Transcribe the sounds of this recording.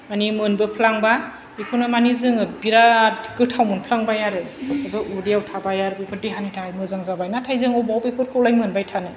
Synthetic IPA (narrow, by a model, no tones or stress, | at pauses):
manimɯnbɯpʰlaŋba | ikʰunɯmanizɯŋɯbiɾatɡɯtʰawmɯnpʰlaŋbajaɾɯpepʰɯbɯʔudiawtʰabajaɾpepʰɯt̚deɦanitʰaajmɯzaŋzabajnatʰajzɯŋɔbawpepʰɯɾ̚kʰɯwlajmɯnbajtʰanɯ